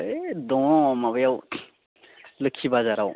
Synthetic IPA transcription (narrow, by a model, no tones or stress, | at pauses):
d̪ɔ̃maβəjaw | lɯkʰibazaɾaw